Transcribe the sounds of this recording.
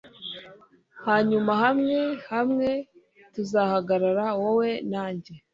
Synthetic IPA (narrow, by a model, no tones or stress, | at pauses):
haːɲumaɦamŋe̞hamŋe̞ | tuzahaɡaɾaɾawowe̞naːɲɟe̞